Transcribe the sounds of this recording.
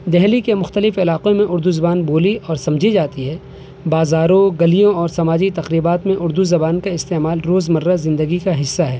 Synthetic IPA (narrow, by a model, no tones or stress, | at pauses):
d̪ɛɦlikemʊxt̪əlɪfɪlaːqõmẽʔʊɾd̪uzɐbaːnboːliɔːɾsɐ̃md͡ʒʱid͡ʒaːt̪iɦɛː | baːzaːɾõɡɐlijõɔːɾsɐmaːd͡ʒit̪ɐqɾiːbaːt̪mẽʔʊɾd̪uzɐbaːnkaɪst̪eːmaːlɾoːzmɐɾːazɪ̃nd̪əɡikaɦɪsːaɦɛː